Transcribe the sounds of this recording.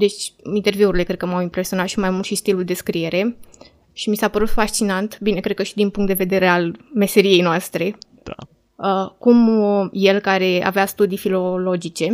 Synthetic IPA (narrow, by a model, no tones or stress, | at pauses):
d̪e̞t͡ʃʲint̪e̞rviuɾile̞kɾe̞d̪̚kəmawimpɾe̞sionat̪ʃimajmult̪ʃist̪iluld̪e̞skɾie̞ɾe̞ | ʃimisapəɾut̪faʃt͡ʃinant̪bine̞kɾed̪kəʃid̪inpuŋkt̪d̪eve̞d̪e̞ɾealme̞se̞ɾie̞jnoast̪ɾe̞ | d̪̥a | əkumje̞lkaɾe̞a̰veast̪ud̪ijfilo̞lo̞d͡ʒit͡ʃe̞